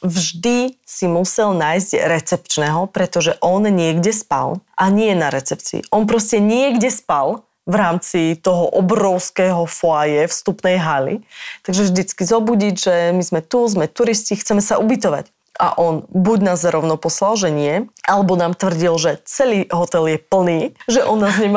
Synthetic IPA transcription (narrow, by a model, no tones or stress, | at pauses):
vʒd̪isimusɛlnaːjzɟɾɛt͡sɛpt͡ʃnɛɦɔpɾɛt̪ɔʒɛʔɔnɲɪɛɡɟɛspa̰lʔaɲɪɛnaɾɛt͡sɛp̚t͡sḭːʔɔnpɾɔscɛɲɪɛɡɟɛspal | vɾaːmt͡sit̪ɔɦɔʔɔbɾɔʊskɛːɦɔfɔajɛfst̪upnɛjɦalḭt̪aɡʒɛvʒd̪it͡skizɔbuɟiɟʒɛmizmɛt̪uzmɛt̪uɾiscixt͡sɛmɛsaʔubit̪̬ɔʋa̰c | a̰ʔɔnbuɟnaːzɾɔʊnɔpɔslalʒɛɲɪɛʔalɛbɔnaːmt̪ʋr̩ɟilʒɛt͡sɛliːɦɔt̪ɛljɛpl̩niːʒɛʔɔnːaːzɲɛma